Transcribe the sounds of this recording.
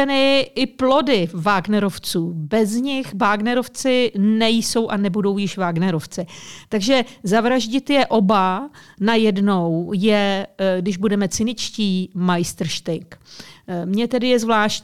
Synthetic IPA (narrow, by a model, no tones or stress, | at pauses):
ɛnɪɪplo̞dɪvaːɡnɛɾo̞ft͡suːbɛzɲɪxvaːɡnɛɾo̞ft͡sɪnɛjso̞wʔanɛbudo̞wjɪʃvaːɡnɛɾo̞ft͡sɪt̪aɡʒɛzavɾaʒɟɪt̪jɛʔo̞banajɛdno̞wjɛɡdɪʒbudɛmɛt͡sɪnɪt͡ʃciːmajst̪r̩ʃt̪ɪk | mɲɛt̪ɛdɪjɛzvlaːʃ